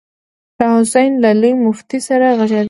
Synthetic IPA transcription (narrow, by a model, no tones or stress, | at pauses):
ʃɑhʊsajnlalujmʊft̪isaɾaɣaʒad̪